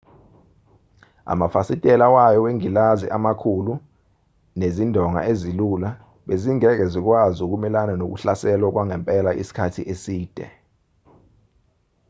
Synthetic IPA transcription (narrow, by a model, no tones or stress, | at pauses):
a̰mafasitʼɛlawajɔweŋilazḭʔamakʰulu | nezindʱɔŋa̰ezilula | ɓeziŋɛk̬ɛzik̬wazuk̬umɛlananok̬ṵɬasɛlwak̬waŋɛmpʼɛlaʔḭsi̥kʰatʰiʔesiːd̥ʱɛ̰